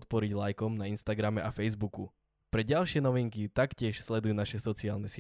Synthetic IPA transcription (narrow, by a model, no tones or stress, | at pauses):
t̪̚pɔɾiɟlajkɔmnainst̪aɡɾamɛʔafɛjzbuku | pɾɛɟalʃɪɛnɔʋiŋkit̪akcɪɛʃslɛd̪ujuːnaʃɛsɔt͡siaːlnɛs